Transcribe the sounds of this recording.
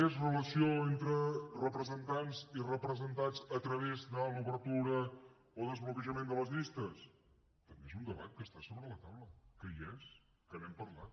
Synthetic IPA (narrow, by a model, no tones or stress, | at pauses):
ezrələsioent̪ɾərəpɾəzənt̪anzirəpɾəzənt̪ad͡zət̪ɾəβ̞ezðəluβəɾt̪uɾə | oðəzβlukəʒəmend̪ələzʎist̪əs | t̪əmbeezund̪əβa̰t̪̚kəst̪asoβɾələt̪awləkəjes | kənɛmpəɾlat̪̚